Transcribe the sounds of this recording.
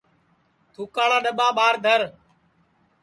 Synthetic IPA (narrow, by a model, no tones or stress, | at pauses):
t̪ʰuːkaːɭaːɗəɓaːɓaːɾd̪ʱəɾ